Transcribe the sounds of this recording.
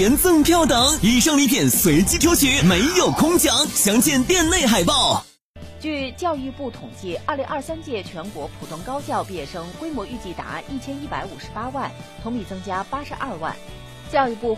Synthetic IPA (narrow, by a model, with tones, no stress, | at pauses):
ɛ˧˥nt͡sɤ˥˧ŋpʰjɑ˥˩ʊt̪ɤ˨˩˦ŋi˨˩ʂɤ˥˩ŋli˧˥p̪ʰjɛ˨˩nswe˧˥ɪt͡ɕi˥t̪ʰjo˧˥ʊt͡ɕʰɛ˧˥me˧˥ɪjo˨˩ʊkʰʊ˥ŋt͡ɕjɑ˧˥˦ŋɕjɑ˧˥ŋt͡ɕjɛ˥˧nt̪jɛ˥˧nle˥˩ɪxa˨˩ɪpɑ˥˩ʊ | t͡ɕy˥˧t͡ɕjɑ˥˧ʊy˥˧pu˥˩t̪ʰʊ˨˩ŋt͡ɕi˥˩ɐ˞˥˩li˧˥ŋʔɐ˞˥˧sa˥nt͡ɕjɛ˥˩t͡ɕʰɥɛ˧˥nkwɔ˧˥pʰu̥˨˩t̪ʊ˥˩ŋkɑ˥ʊt͡ɕjɑ˥˧ʊpjɛ˥˩ʂɤ˥ŋkwe˥ɪmwɔ˧˥y˥˧t͡ɕi˥˩t̪a̰˧˥i˥˩t͡ɕʰjɛ˥ni˥˩pa˧˥ɪu˨˩ʂɻ̩˧˥pa˥wa˥˩nt̪ʰʊ˧˥ŋpi˨˩t͡sɤ˥ŋt͡ɕja˥pa˥ʂɻ̩˧˥ʔɐ˞˥˩˧wa̰˥˩n | t͡ɕjɑ˥˧ʊy˥˧pu˥˩